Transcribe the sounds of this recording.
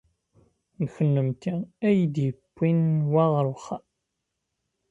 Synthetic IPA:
nəçənːəmt̪iæjd̪jəkʷːinwæʁɾuχa

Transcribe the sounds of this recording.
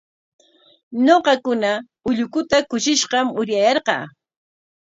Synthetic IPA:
noqɑkʊna | ʊʎʊkʊt̪akʊʃɪʃɢɑmʊɾjajɑɾqɑ̰ː

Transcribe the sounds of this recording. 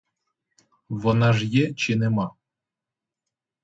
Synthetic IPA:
βonɑʒjet͡ɕinemɑ

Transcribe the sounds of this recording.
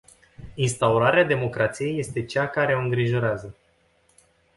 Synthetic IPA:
inst̪auɾaɾead̪e̞mo̞kɾʔat̪sije̞je̞st̪e̞t͡ʃakaɾe̞oɨŋɡɾiʒo̞ɾeazə

